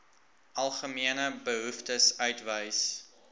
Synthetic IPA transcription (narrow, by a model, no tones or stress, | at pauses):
ʔɐlˠχəmiənəbəɦuftəsœɥtvəjs